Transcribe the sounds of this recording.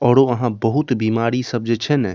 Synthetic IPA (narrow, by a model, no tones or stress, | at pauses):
ɔːɾoɐɦãbəɦut̪biːmaːɾisəb̚d͡ʒet͡ʃʰɛnɛ